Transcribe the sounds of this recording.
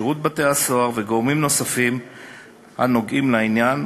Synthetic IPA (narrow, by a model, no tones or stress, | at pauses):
ʁut̪̚bate̞aso̞aʁveɡomimno̞safim | ha̰no̞ɡʔimlainjan